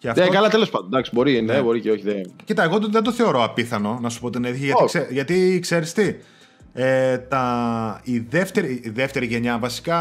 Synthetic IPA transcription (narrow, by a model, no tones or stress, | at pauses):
ceɐfekɐlɐt̪elospɐd̪ond̪ɐksibo̞ɾinebo̞ɾiceoçiðecit̪ɐeɣo̞t̪ðed̪oθe̞o̞ɾo̞ɐpiθɐno̞nɐsu̥po̞t̪ineðiçiʝɐtkseʝɐt̪ikse̞ɾist̪i | et̪ɐiðe̞ft̪e̞ɾiðe̞ft̪e̞ɾiʝe̞ɲɐvɐsi̥kɐ